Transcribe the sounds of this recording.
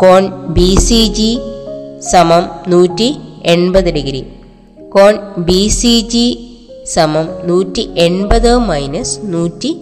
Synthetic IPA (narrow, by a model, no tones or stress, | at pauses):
koːnbiːsid͡ʑi | sɐmɐmnuːtːieɳbɐðɨɖiɡɾi | koːnbisid͡ʑi | sɐmɐmnuːtːiʔeɳbɐðɨmɐjnɐsnuːtːi